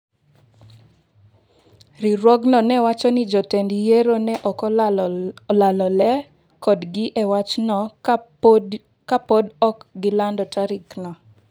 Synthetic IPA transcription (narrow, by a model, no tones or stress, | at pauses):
ɾiɾwɔɡnɔnɛwat͡ʃɔnid͡ʒɔtɛndijeɾonɛʔɔkɔ | lalɔlɛ | kɔdɡɪʔɛwat͡ʃnɔ | kapodɔkɡɪlandɔtaɾiknɔ